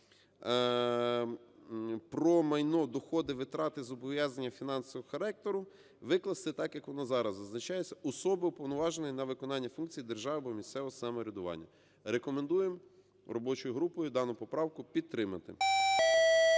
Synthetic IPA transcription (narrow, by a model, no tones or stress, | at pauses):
pɾɔmɐjnɔd̪ɔxɔd̪ɪʋɪt̪ɾɑt̪ɪzɔbɔʋʲjɑznɐnʲːɐfʲin̪ɑnsɔʋxɐɾɛk̚t̪ɔɾʊ | ʋɪklˠɐst̪ɪt̪ɑkjɐkʋɔnɑzɑɾɐzːɐznɐt͡ʃɑjet͡sʲːɐʔɔsɔbɪʊpɔwnɔʋɑʒenɔjnɐʋɪkɔnɑnʲːɐfunkt͡sʲijid̪erʒɑʋɪbɔmʲisʲt̪sɛʋɔɦɔsɑmɔɾʲɐd̪ʊʋɑ̰nʲːɐ | ɾekɔmend̪ujem | rɔbɔt͡ʃɔjʊɦɾupɔjʊd̪ɑnʊpɔpɾɑwkʊpʲid̪̚t̪ɾɪmɐt̪ɪ̰